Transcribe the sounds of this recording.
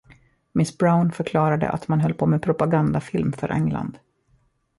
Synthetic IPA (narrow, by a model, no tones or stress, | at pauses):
mɪsbɾaʊnfœɾkʰlɑːɾad̪ə̰ʔa̰t̪manɦœlːpʰoːmeɛpʰɾʊpaɡand̪afɪlmfœ̰ɾʔɛ̰ŋla̰nd̪